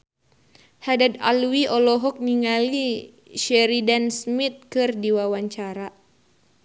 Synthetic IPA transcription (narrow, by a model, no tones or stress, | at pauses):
hadad̪a̰luwiɔlɔɦɔk̚niŋali | ʃɛɾidansmit̪̚kɨrdiwawaɲt͡ʃaɾa